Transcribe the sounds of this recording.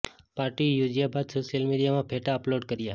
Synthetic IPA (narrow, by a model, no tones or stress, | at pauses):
paɾʈijud͡ʒijabad̪soʃjəlmiɽijamãpʰeʈaəploɖkəɾja